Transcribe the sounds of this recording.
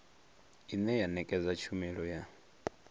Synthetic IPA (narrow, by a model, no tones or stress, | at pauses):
inɛjanɛkʼɛd͡zat͡ʃʰumiɺɔja